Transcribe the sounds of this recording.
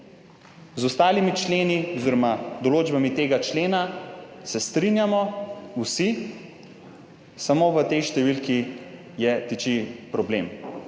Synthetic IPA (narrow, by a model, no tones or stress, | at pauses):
zɔst̪aːlimit͡ʃleːnioziɾɔmad̪ɔloːd͡ʒbamit̪eːɡat͡ʃleːnasɛst̪ɾinjamɔusi | samoʋət̪ɛjʃt̪ɛʋilki | jɛt̪it͡ʃipɾɔbleːm